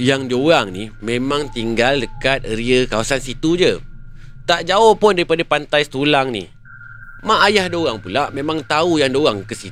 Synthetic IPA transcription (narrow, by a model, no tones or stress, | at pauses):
jaŋd͡ʒoɣaŋnimẽmãŋt̪iŋɡaldəkat̪̚əɾiəkawasansit̪ud͡ʒə | t̪aʔd͡ʒaohpʊndaɾipadapant̪ajst̪ulaŋnḭ | mãʔːjahdoɣaŋpulaʔmẽmãŋt̪aujaŋdoɣaŋkəsi